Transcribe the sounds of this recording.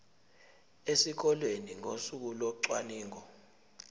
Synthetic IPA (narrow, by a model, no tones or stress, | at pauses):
esik̬ɔlweniŋosuk̬ulɔǀwaniːŋɔ